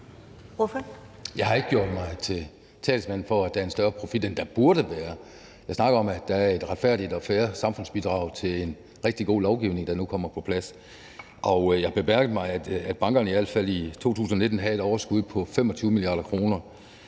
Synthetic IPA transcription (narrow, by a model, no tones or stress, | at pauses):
ʋɔfjɑ̈ɪhɑ̈e̝ɡ̥əɡ̥jo̝ɐ̰d̥mɑ̈ɪt͡sʰe̝ | t͡sʰɛ̰ːlsmæn̰n̩fɒ̽æd̥æɐensd̥ɶɐpʰʁo̝fid̥end̥æb̥uɐɾəʋæːɐ | jɑ̈ɪsnɑ̈ɡ̥ɐɒ̽mæd̥ææɐe̝d̥ʁɑ̈d̥fæɐ̰did̥ɒ̽fæːɐsɑ̈mfɔ̽n̰sb̥id̥ʁɑ̈ʊ̰t͡sʰe̝len | ʁeɡ̥̚d̥iɡ̥o̝̰ːlɒʊɡ̥iʊne̝ŋd̥ɑ̈nukʰɒ̽m̰ɐpʰɒ̽pʰlæs | ʔɒ̽ʊjɑɪhɑ̈b̥e̝mæɐɡəð̩ˠmɑ̈ɪæ̥æd̥̚b̥ɑ̈ŋɡ̥ɐnəiæl̰fæl̰it͡sʰo̝̰ːt͡sʰṵːsn̩ɒne̝d̥n̩ɦæe̝ɾ̥ɒʊɐsɡ̥uð̞̰ˠpʰɒ̽fem̰ɒ̽t͡sʰyːʊmiliɑ̰̈ːd̥ɐkʰʁo̝ːnɐ